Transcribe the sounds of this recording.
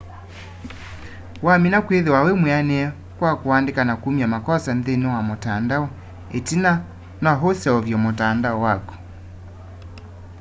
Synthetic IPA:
waminakweðewawemweanɛɛ | kwakowandekanakumiamakɔsanðenɔwamotandaɔ | etina | nɔaɦosɛɔvjɔmotandaɔwakɔ̥

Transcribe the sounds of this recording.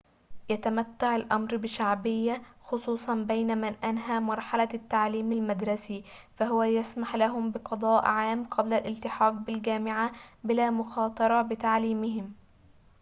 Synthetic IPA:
jat̪amat̪ːaʕalʔa̰mɾbɪʃaʕbɪjːaxʊsˤuːsˤɑnbajnamanʔanɦaːmɑɾˤħalat̪ːaʕliːmalmad̪ɾˤɑsifaɦʊwæjasmaħlaɦʊmbɪqɑd̪ˤɑːʔʕaːmːqʰɑblalʔɪlt̪ɪħɑːq̚bɪlɡæːmɪʕabɪlaːmʊxɑːt̪ˤɑɾˤɑbɪt̪aʕliːmɪɦɪm

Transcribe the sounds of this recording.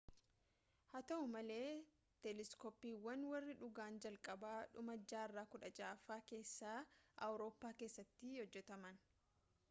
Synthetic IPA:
hɐt̪ɐʊmɐle̞ː | t̪ɛlɪskɔpːiːwːɐnwɐrːɪᶑʊɡaːnd͡ʒɐlkʼɐbaːᶑʊmɐd͡ʒːaːɪrːaːkʊᶑɐd͡ʒaːfaːke̞ːsːaːɐ̰wɾo̞ːpːaːke̞ːsːɐt̪ːɪhɔd͡ʒːɛt̪ɐmɐn

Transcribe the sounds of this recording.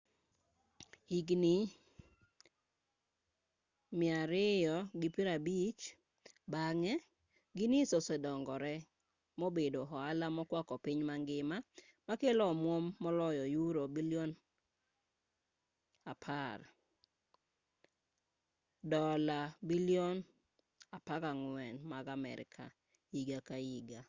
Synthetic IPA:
iɡni | mɪaɾɪjɔɡipiɾabit͡ʃ | baŋɛ | ɡinisosɛdɔŋɡɔɾɛ | mobedoɦɔalamɔkwakɔpɪɲmaŋɡɪma | makelɔmwomːɔlɔjɔjuɾobiliɔn | apʰar | dɔlabiliɔn | apakaŋwɛnmaɡamɛ̰ɾɪ̰kʰa̰ | iɡakaiɡa

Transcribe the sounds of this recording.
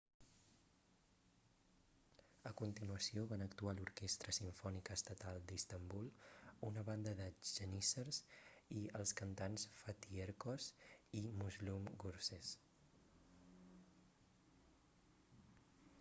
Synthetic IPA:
əkunt̪inuəsioβanəkt̪ualuɾkest̪ɾəsiɱfɔnikəːst̪ət̪alˠd̪ist̪əmbulˠunəβand̪əðəʒənisəɾsiəlˠskənt̪ansfət̪ieɾkɔsimuzlumɡuɾses

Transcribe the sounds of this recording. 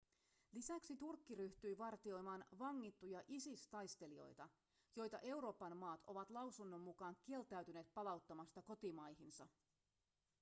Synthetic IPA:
lisæksit̪urkːiɾyht̪yjʋɑrt̪io̞jmɑːnʋɑŋːit̪ːujɑʔisist̪ɑjst̪e̞lio̞̰jt̪ɑ | jo̞jt̪ɑʔe̞wɾo̞ːpɑnmɑːt̪ʰoʋɑt̪lɑwsunːo̞mːukɑːŋk̟ie̞lt̪æɥt̪yneːt̪̚pɑlɑwt̪ːɑmɑst̪ɑko̞t̪imɑjɦinsɑ

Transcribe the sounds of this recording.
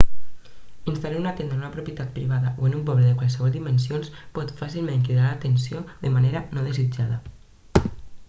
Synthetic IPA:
inst̪alanunat̪end̪ənunəpɾupjət̪at̪̚pɾiβaðəʔoənump̬ɔβləðəkwalˠsəβɔlˠd̪imənsionspɔt̪fasilˠmẽŋkiðɾalət̪ənsioðəmaneɾənoð̞əzid͡ʒaðə

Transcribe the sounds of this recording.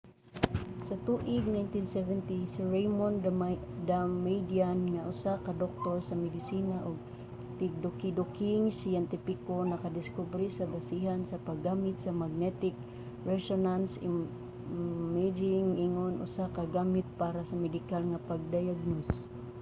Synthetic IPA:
sat̪uʔɪɡ̚najnt̪insɛvɛnt̪isiɹejmond̪amejd̪ianŋaʔʊsakad̪ok̚t̪oɾsamɛd̪ɪsiːnaʔʊɡ̚ | t̪ɪk̚d̪okid̪okɪŋsijɛnt̪ɪpɪkonɐkad̪ɪskubɾisabasiɦansapaɡːamɪt̪̚samaɡ̚nɛt̪ɪk̚ | ɹɛsonansɪ | mːad͡ʒɪŋiŋonʔʊ̰sakaɡaːmɪt̪̚paːɾasamɛd̪ɪkalŋapaɡ̚d̪ajaɡ̚nos

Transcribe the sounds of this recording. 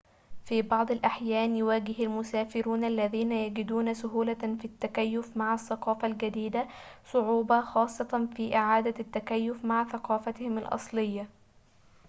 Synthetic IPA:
fiːbɑʕd̪ˤɑlʔaħjæːnjʊwaːɡɪhalmʊsaːfɪɾuːnʔalːæðiːnajæɡɪd̪uːnasʊɦuːlafit̪ːakajːʊfmaʕasːɑqɑːfalɡad̪iːd̪asˤʊʕuːbɑxɑːsˤːɑt̪ɑnfiːʔɪʕaːd̪at̪ːakajːʊfmaʕθɑqɑːfat̪ɪhɪmɪlʔɑ̰sˤlɪjːa

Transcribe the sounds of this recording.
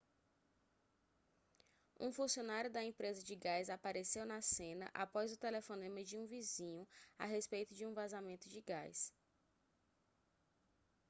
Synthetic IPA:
ṵ̃fũsiõnaɾjʊd̪ɐẽpɾezɐd͡ʒɪɡajzapaɾesewnɐsẽnɐ̰ʔapɔzʊt̪elefõnẽmed͡ʒɪũvizĩɲʊa̰ɦespejt̪ʊd͡ʒɪũvazamẽnt̪ʊd͡ʒɪɡajs

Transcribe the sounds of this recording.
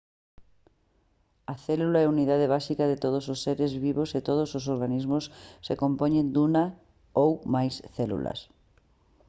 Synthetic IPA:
ɐθɛlulaɛuniðað̞eβ̞asikɐðɪt̪oð̞ososːeɾezβiβoset̪oð̞ososoɾɣanizmʊssekompɔɲend̪unɐ | owmajsθɛlṵlɐ̰s

